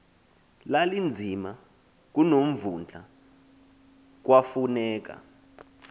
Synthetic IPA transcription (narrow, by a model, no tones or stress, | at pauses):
lalind͡zʱima | k̬unom̩vund͡ɮʱa̰ | k̬wafunɛːk̬a̰